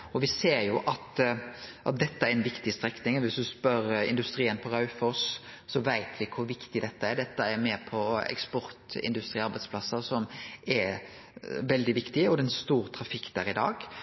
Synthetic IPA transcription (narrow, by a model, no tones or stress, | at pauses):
ɔʋɪseːɾjʊʔɑt̪ | ʔɑ̰t̪̚d̪ɛt̪ːəæɾɛnʋɪkt̪ɪst̪ɾɛknɪŋɔʋɪsd̪ʉspœɾɪ̰nd̪ʉst̪ɾiːənpʰɔɾɑʉfɔssɔʋæɪt̪ʰʋɪkʰʊɾʋɪkt̪ɪd̪ɛt̪ːəɛɾd̪ɛt̪ːəɛɾmɛpʰɔɛ̰kspɔɾt̪ɪ̰nd̪ʉst̪ɾiːɑɾbæɪspʰlɑsːəʁsɔmɛɾ | ʋɛld̪ɪʋɪkt̪ɪɔd̪ɛɛnst̪uːɾt̪ʰɾɑfɪkːd̪æːɾɪd̪ɑ̰ːɡ